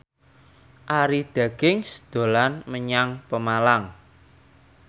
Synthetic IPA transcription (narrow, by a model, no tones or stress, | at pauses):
ʔaɾid̪̥a̤ɡ̥ɪŋsd̪̥o̤lanməɲaŋpəmalaŋ